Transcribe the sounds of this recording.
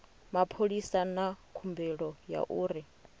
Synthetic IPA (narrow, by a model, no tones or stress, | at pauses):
mapʰoɺisanakʰumbɛɺɔja̰ʔuːɾi